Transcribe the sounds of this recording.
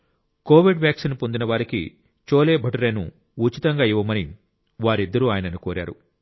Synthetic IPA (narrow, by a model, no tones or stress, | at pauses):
koːʋiɖʋjaːksinpo̞nd̪inɐʋaːɾikḭ | t͡ʃoːle̞ːbʱɐʈɐɾeːnṵ | uːt͡ʃit̪ɐŋɡaːiʋːɐmɐni | ʋaːɾid̪ːɐɾuaːjɐnɐnukoːɾa̰ːɾṵ